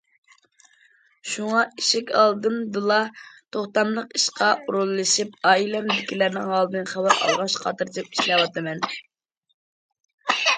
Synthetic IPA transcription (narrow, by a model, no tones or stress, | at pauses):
ʃuŋɑiʃikʲɑ̰lˠd̪ɨnd̪ɨlˠɑt̪ʰoχt̪ɑmlˠəqiʃqɑʔuɾulˠːɨʃip̚ɑːilɛmd̪ɪkʲʰilæɾnɪŋɦɑlˠd̪ɨnχæbæɾɑ̰lˠʁɑʃqʰɑ̰t̪ɨɾd͡ʒ̪ɨp̚i̥ʃlɛwɑt̪ɨmɛn